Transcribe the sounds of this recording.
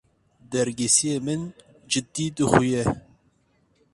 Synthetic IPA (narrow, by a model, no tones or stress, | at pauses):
d̪ɛɾɡesijemɨn | d͡ʒɨd̪iːd̪ɨxujɛ